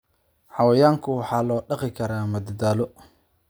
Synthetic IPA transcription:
ħɑwɐjaːŋkʰʊwɑħɑːlɔːɖɑqɪkʰɐɾaːmɐd̪ɐd̪aːlɔ

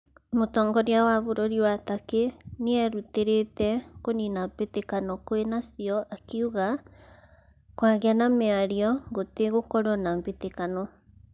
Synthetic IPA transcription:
motɔːŋɡɔɾiawaβoɾoɾiwatakeneɛɾuteɾetɛkoninampetekanɔkoenasiɔʔakiuɣa | kwaɣeanameaɾiɔɡoteɣokɔɾɔnambetekanɔ

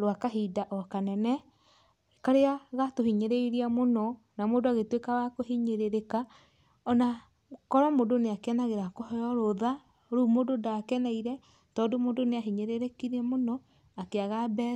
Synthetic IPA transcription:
ɾoakaɦidaʔɔkanɛnɛ | kaɾeaɣatohiɲeɾeiɾiamonɔ | namoːdoaɣetwekawakohiɲeɾeɾeka | ɔna | kɔɾɔmodoneakeɛnaɣeɾakɔhɔjɔɾoða | ɾuːmododaːkɛnaiɾɛ | tɔːndomodoneaɦiɲeɾeɾekiɾamonɔ | akeaɣabɛ

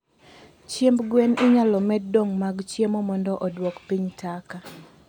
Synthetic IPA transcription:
t͡ʃjembɡwɛnɪɲalɔmɛdoŋmaɡt͡ʃjemɔmɔndɔʔɔdwokpiɲtʰaka

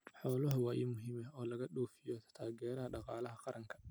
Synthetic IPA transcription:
ħɔːlɐɦɐwaːjɪmʊɦiːmɛɔːlɐɣɐɗuɔːfɪjɔt̪ʰaːɣɛːɾɐɦɐɖɑqɑːlɐɦɐqɑɾʔɐŋkʰɐ̥

